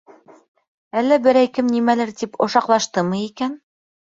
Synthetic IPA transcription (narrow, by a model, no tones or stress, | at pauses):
ælːæbɘ̆ɾæjkɘmnimælɘɾt̪ipŏʃɑqlˠɑʃt̪ɤmɤikæn